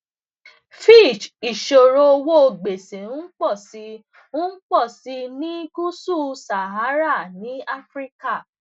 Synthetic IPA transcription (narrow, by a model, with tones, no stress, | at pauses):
fi˦˨t͡ʃi˨ʃo˨ɾo˧o˧wo˦o˧ɡ͡be˨sẽ˨ũ˦k͡pɔ˦˨si˧ | ũ˦k͡pɔ˦˨si˧nĩ˦ɡu˦su˦˨sa˨ɦa˨˦ɾa˦˨nĩ˨˦a˦fɾi˦ka˦˨